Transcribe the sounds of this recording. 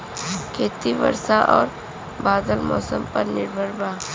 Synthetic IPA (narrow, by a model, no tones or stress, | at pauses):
kʰeːt̪iʋə̰ɾsaʔɔːɾ | baːd̪əlmɔːsəmpɐɾnɪɾbʱəɾbʱaː